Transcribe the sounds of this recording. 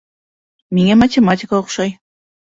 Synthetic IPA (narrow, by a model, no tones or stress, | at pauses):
miŋemɐtʲematʲɪkɑoqχʃɑj